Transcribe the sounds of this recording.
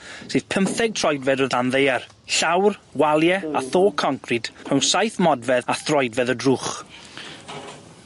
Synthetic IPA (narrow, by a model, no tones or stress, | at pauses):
sɨːðpʰəmθɛɡ̚tʰrɔjdvɛdəðanðejar | ɬawrwalˠjɛaθoːkʰɔŋkʰrɪd̥r̥əwnsajθmɔdvɛðaθrɔjdvɛðədruːχ